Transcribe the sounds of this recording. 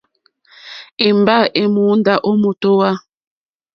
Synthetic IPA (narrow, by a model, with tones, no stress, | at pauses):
i˨mba˦ʔe˨mu˨˦nda˨ʔo˦mu˨to˦wa˦